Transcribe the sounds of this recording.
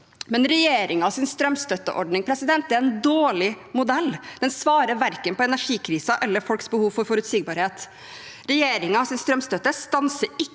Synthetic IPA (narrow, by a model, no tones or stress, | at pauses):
mɛnɾɛjeːɾʔɪŋɑɑːsɪnst̪ɾœmst̪œt̪ːə̰ʔɔɖnɪŋpʰɾɛsɪd̪ɛnt̪̚d̪ɛæɾɛnd̪oːɭɪ | mʊd̪ɛlːd̪̥ɛnsʋɑːɾəɾʋæɾkənpɔɛnæʂiːkʰɾiːsɑʔɛlːəɾfɔlksbəhuːʋfɔɾfɔɾʉt̪siɡ̚bɑːɾheːt̪ | ɾɛjeːɾɪŋɑɑsɪnst̪ɾœmst̪œt̪ːəst̪ɑnsəɾɪ